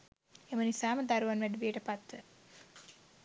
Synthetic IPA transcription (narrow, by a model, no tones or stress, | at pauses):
emənisaːməd̪aɾuʋanʋæɖiʋijəʈəpat̪ʋə